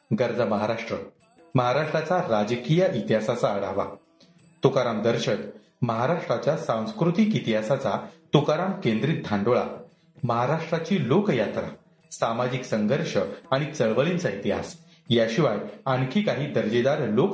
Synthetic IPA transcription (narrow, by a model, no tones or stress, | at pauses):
ɡəɾd͡zəməɦaɾaʂʈɾə | məɦaɾaʂʈɾat͡saɾad͡ʑəkijaʔit̪jasat͡saəɽaʋa̰ | t̪ukaɾamd̪əɾɕət̪ | məɦaɾaʂʈɾat͡ɕjasãw̃skɾut̪iːkit̪iɦasat͡sat̪ukaɾamkẽnd̪ɾiːt̪̚d̪ʱaɳɖoɭa̰ | məɦaɾaʂʈɾat͡ɕiːlokjat̪ɾa̰ | samad͡ʑiksəŋɡʱəɾʂəaɽ̃it͡səɭʋəɭint͡sait̪iɦa̰s | jaɕiʋajankʰiːkaɦiːd̪əɾd͡ʑed̪aɾlok